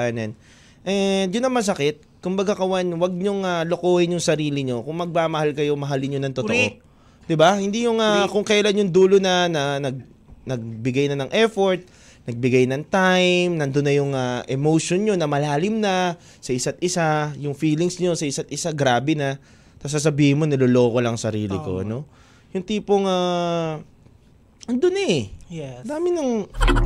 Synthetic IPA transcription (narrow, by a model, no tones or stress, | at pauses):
nɐn | ʔɛd͡ʒʊnːɐŋmɐs̬ɐkɪt̪̚kʊmbɐɡakɐwanwɐɡ̚ɲoŋalokoːhɪnjʊŋsɐɾiːlɪɲo̞kʊŋmɐɡ̚mamɐhalkɐjo̞mɐɦalɪɲɲonɐŋt̪ot̪oʔo | d̪ɪbahɪnd̪ijʊŋakʊŋkɐjɐlanjʊŋd̪uːlonɐnɐnɐɡ̚ | nɐɡ̚bɪɡajnɐnɐŋʔɛfoɹt̪̚ | nɐɡ̚bɪɡajnɐŋt̪ajmnɐnd̪onːɐjʊŋɐʔɛmowʃonɲo̞nɐmɐlaːlɪmnɐ | sɐʔɪsat̪̚ʔɪsajʊŋfiːlɪŋsɲo̞sɐʔɪsat̪̚ʔɪsaɡɾaːbɛnɐ | t̪ɐs̬as̬ɐbiːhɪnmo̞nɐloːlo̞ːko̞lɐŋsɐɾḭːlɪ̰ko̰ɐ̰no̞ | jʊŋt̪iːpoŋa | ɐnd̪onɐɛ | aːmɪnɐŋ